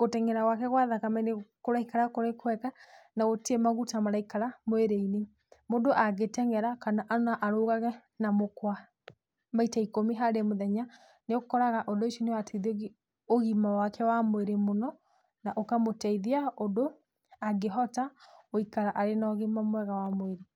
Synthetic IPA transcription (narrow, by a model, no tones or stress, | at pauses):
ɣotɛŋɛɾawakɛɣwaðakamɛnekoɾaikaɾakoɾekwɛkanaotiemaɣutamaɾaikaɾamoeɾeine | modoʔaɣetɛŋɛɾakanaʔanaʔaɾoɣaɣɛ | namokwa | maitaikomiɦaɾemoðɛɲa | neokɔɾaɣaʔodoiʃinewateiðioɣi | oɣimawakʰɛwamoeɾemonɔ | naʔokamotɛiðiaodo | aɡeɦɔtaoikaɾaʔaɾenɔɣimamwɛɣawamweɾe